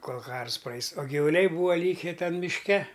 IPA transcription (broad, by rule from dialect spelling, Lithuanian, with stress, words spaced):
ˈkoːlˠ ˈkɐrs ˈprɐɪs oː ɡʲɪʋʊˈlʲɛɪ ˈbuːʋɐ ˈlʲiːkʲɛ ˈtʲɛn mʲɪʃʲˈkʲɛ